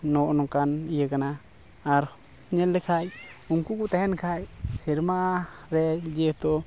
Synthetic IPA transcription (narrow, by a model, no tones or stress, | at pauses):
nonukanjəkanaː | ɾ | ɲelːekʰajuŋkukut̪ehenkʰajsiɾmaɾed͡ʒet̪o